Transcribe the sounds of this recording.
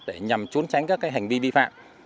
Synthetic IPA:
ɗe˧˩ɲa˨˩mt͡ɕu˨˦ənt͡ɕa˨˦jŋ̟kaː˦˥kaː˨˦jɦa˨˩ŋ̟vi˧ɓḭ˧fa̰ː˧˨mʔ

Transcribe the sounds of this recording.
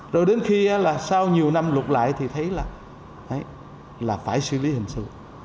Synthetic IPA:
zo˨˩jɗe˨˦nxi˧aː˨˦laː˨˩saː˧wɲi˨˩əwna˧mlʊ˨˩k͡p̚la̰ː˧˨jt̪ʰi˨˩t̪ʰə˨˦jlaː˨˩ | ʔə˨˦j | laː˨˩faː˧˩jsɨ̰˧li˨˦hï˨˩ŋ̟sɨ̰˧˨

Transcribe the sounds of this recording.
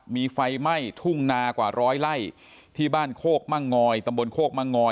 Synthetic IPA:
miː˧fa˧jma˥˩jt̪ʰu˥˩ŋnaː˧kwaː˨˩ɾɔː˦˥jla˥˩j | t̪ʰiː˥˩baː˥˩nkʰoː˥˩k̚ma˥˩ŋːɔː˧jt̪a˧mbo˧nkʰoː˥˩k̚ma˥˩ŋːɔː˧

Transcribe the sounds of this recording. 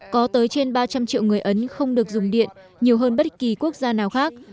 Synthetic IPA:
kɔ˨˦t̪əː˨˦jt͡ɕe˧nɓaː˧t͡ɕa˧mt͡ɕḭ˧˨wŋɨ˨˩əjʔə˨˦nxə˧wŋ͡mɗɨ˨˩ək̚zʊ˨˩ŋ͡mɗḭ˧˨ən | ɲi˨˩əwɦəː˧nɓə˦˥t̚ki˨˩ku˦˥ək̚zaː˧naː˨˩wxaː˦˥k̚

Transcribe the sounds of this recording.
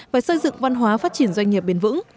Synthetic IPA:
vaː˨˩jsə˧jzɨ̰˧˨ŋva˧nɦwaː˨˦faː˦˥t̚t͡ɕi˧˩ənzwa˧jŋ̟ɲi˨˩əp̚ɓe˨˦nvɨ̰˧˥ŋ

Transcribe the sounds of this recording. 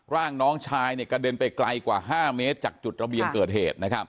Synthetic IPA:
ɾaː˥˩ŋnɔː˦˥ŋt͡ɕʰaː˧˥jni˥˩əka˧de˧npa˧jkla̰˧jkwaː˨˩ɦaː˥˩meː˦˥t̪̚t͡ɕaː˨˩k̚t͡ɕu˨˩t̪̚ɾa˧bi˨ənkɤː˨˩t̪̚hḛː˨˩t̪̚na˦˥kʰa˦˥p̚

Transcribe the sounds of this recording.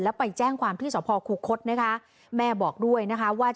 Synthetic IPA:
lɛː˦˥pa˧jt͡ɕɛː˥˩ŋkʰwaː˧mt̪ʰiː˥˩sɔː˩˦pʰɔː˧kʰuː˧˩kʰːo˦˥t̪̚na˦˥kʰa˦˥ | mɛː˥˩bɔː˨˩k̚du˥˩əjna˦˥kʰa˦˥waː˥˩t͡ɕ

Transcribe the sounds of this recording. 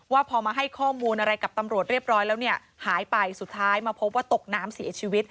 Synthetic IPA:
waː˥˩pʰɔː˧maː˧ɦa˥˩jkʰɔː˥˩muː˧nʔa˧ɾa˧jka˨˩p̚t̪a˧mɾu˨˩t̪̚ɾi˥˩p̚ɾɔː˦˥jlɛː˦˥wni˥˩ɐ | haː˩˦jpa˧jsu˨˩t̪ʰːaː˦˥jmaː˧pʰo˦˥p̬̚waː˥˩t̪o˨˩k̚naː˦˥msi˨˩˦t͡ɕʰiː˧wi˦˥t̪̚

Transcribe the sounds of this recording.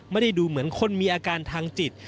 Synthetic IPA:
ma˥˩da˥˩jduː˧mɯ˩˦ənkʰo˧˥˨nmiː˧ʔaː˧kaː˧nt̪ʰaː˧ŋt͡ɕi˨˩t̪̚

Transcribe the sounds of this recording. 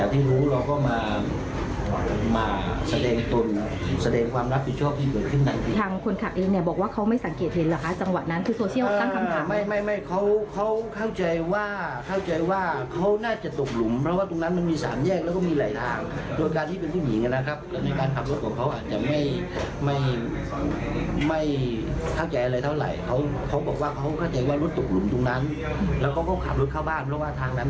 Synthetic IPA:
ɛː˨˩wt̪ʰiː˥˩ɾuː˦˥ɾɔː˧kɔː˥˩maː˧˨˩ | maː˧sa˧dɛː˧ŋt̪o˧nsa˧dɛː˧ŋkʰwaː˧mɾa˦˥p̚pi˨˩t̚ʰɔː˥˩pt̪ʰiː˥˩kɤː˨˩t̪̚kʰɯ˥˩nt̪ʰa˦˧ŋt̪ʰi˧˩t̪ʰaː˧ŋkʰo˧nkʰa˨˩k̚ʔeː˧ŋni˥˩ɐbɔː˨˩k̚waː˥˩kʰa˦˥wma˥˩jsa˨˩˦ŋkeː˨˩t̪̚he˨˩˦nla˨˩kʰa˦˥t͡ɕa˧ŋwa˨˩t̪̚na˦˥nkʰɯː˧soː˧i˥˩˨wːt̪a˥˩ŋkʰa˧mʰa˨˦ma˥˧˩jma˥˩jma˥˩jkʰa˦˥wkʰa˦˥wkʰa˥˩wt͡ɕa˧jwaː˥˩kʰa˥˩wt͡ɕa˧jwaː˥˩kʰa˦˥wnaː˥˩t͡ɕa˨˩t̪o˨˩k̚lu˩˦mpʰɾɔ˦˥waː˥˩t̪o˧ŋna˦˥nma˧nmiː˧sa̰ː˩˦mjɛː˥˩k̚lɛː˦˥wkɔː˥˩miː˧laː˨˩˦jt̪ʰaː˧ŋdo˧jkaː˧nt̪ʰiː˥˩pe˧npʰuː˥˩jḭ˨˦ŋʔa˧nːa˦˥kʰa˦˥p̚lɛː˧˩na˧jkaː˧nkʰa˨˩plo˦˥t̪̚kɔː˨˩˦ŋkʰa˦˥wʔaː˨˩t̪̚t͡ɕa˨˩ma˥˩j | ma˥˩j | ma˥˩jkʰa˥˩wt͡ɕa˧jʔa˧ɾa˧jt̪ʰa˥˩˨la̰˨˩˦jkʰa˦˥wkʰa˦˥wbɔː˨˩k̚waː˥˩kʰa˦˥wkʰa˥˩wt͡ɕa˧jwaː˥˩lo˦˥t̪̚ːo˨˩k̚lu˨˩˦mt̪o˧ŋna˦˥n | lɛː˦˥wkɔː˥˩kʰɔ˦˥˩wkʰa̰˨˩p̚lo˦˥t̪̚kʰaː˥˩wbaː˥˩npʰɾɔ˦˥waː˥˩t̪ʰaː˧ŋna˦˥n

